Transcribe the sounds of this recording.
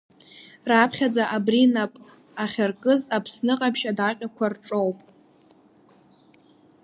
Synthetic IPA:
rapʰχʲad͡zaʔabrinapʼ | aχʲarkʼɨzapʰsnɨqʼapʰʃadaqʲʼakʷʰarʈ͡ʂʼowpʼ

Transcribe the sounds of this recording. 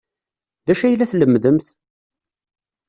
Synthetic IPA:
ðæʃæjlːæθləmːðəmθ

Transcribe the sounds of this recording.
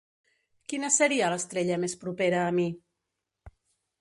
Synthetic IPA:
kinəsəɾiələst̪ɾeʎəmespɾupeɾəːmi

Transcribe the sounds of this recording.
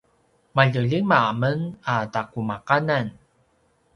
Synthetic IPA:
maʎəʎimaamənatakumaqanan

